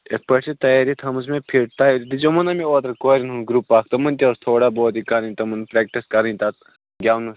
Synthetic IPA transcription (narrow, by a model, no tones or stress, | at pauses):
epɐsit̪ɐjaːɾit̪ʰɐms̬mẽpʰiɾt̪ajɾit̪id͡ʒomɐnɐmioːt̪ɐɾkoːɾʲinɦuɡɾupːaːkʰt̪ɐmɐnt̪ʲioːst̪ʰoːɽaboːt̪ikɐɾɐ̃nt̪ɐmɐnpɾɛːk̚ʈiskɐɾɐnt̪at̪ | ɡʲaːwnɐs